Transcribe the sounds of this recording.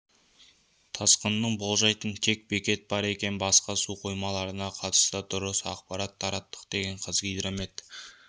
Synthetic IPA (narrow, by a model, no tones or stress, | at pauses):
t̪ʰɑsqənːəɴbo̞lˠʒɑjt̪əɴt̪ʰe̞k̚bekʲe̞t̪̚b̥ɑɾe̞kʲe̞nbɑsqɑsuqʰo̞jmɑlˠɑɾənɑqʰɑt̪ə̥st̪əd̪ʊɾəsɑ̰qpɑɾɑt̪ʰːɑɾɑt̪ːə̥qd̪̥e̞ɡʲe̞ɴqʰəzɡʲijd̪ɾome̞t̪